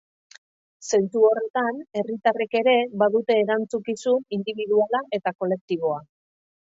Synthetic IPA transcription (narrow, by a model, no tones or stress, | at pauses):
se̞nsuo̞re̞t̪ane̞rit̪are̞ke̞ɾe̞βaðut̪e̞ːɾant͡sukisuind̪iβiðualaʔe̞t̪ako̞le̞k̚t̪iβ̞o̞a